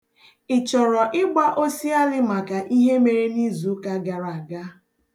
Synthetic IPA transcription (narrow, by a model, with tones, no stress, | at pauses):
ɪ˨t͡ʃɔ˨ɾɔ˨ʔɪ˦ɡ͡ba˦ʔo˦si˦a˦lɪ˦ma˨ka˨ʔi˦ɦe˦me˨ɾe˦ni˦zu˨˦ka˨ɡa˨ɾa˨ɡa˦